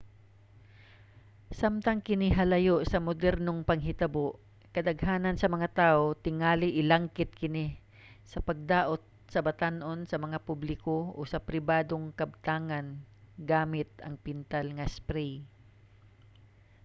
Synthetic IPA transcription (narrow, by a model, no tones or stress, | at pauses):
samt̪ɐŋkɪnɪɦɐlɐjoʔsɐmod̪ɛɾnoŋpɐŋɦɪt̪ɐboʔ | kɐd̪ɐɡhaːnɐnsɐmɐŋat̪aːʔot̪ɪŋaːlɪʔɪlaŋkɪt̪̚kɪnɪ | sɐpɐɡ̚d̪aːʔot̪̚sɐbɐt̪anʔo̞nsɐmɐŋapublɪkoosɐpɾɪbaːd̪oŋkɐb̚t̪aːŋɐnɡaːmɪt̪̚ɐ̰ŋpɪnt̪alŋɐspɾɛj